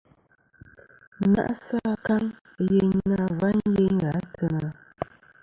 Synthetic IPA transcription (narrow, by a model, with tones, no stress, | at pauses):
na̰˦ʔsa˦˨ka˦ŋ | je˨na˦˨va˦nje˦ŋ˦ɣa˨˦tʰə˦˨na˨